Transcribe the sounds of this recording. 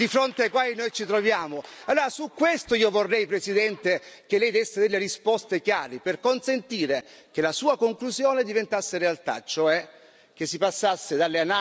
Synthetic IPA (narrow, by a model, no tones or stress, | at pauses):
d̪ifɾont̪eajkwaːjnojt͡ʃit̪ɾovjaːmoalːoːɾasukːwest̪oiːovorːɛjpɾesid̪ɛnt̪ek̟elːɛjd̪ɛsːed̪elːerispɔst̪ekjaːɾiperkonsent̪iːɾek̟elasuːakoŋkluzjoːned̪ivent̪asːeɾealt̪a̰t͡ʃoɛ | k̟esːipasːasːed̪alːeana